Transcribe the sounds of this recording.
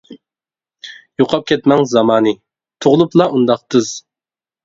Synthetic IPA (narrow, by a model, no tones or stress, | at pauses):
joqʰɑp̚kʲʰɛt̪mɛŋzɑmɑːnɨ | t̪ʰoʁlˠuplˠɑʔund̪ɑq̚t̪ʰɨz̥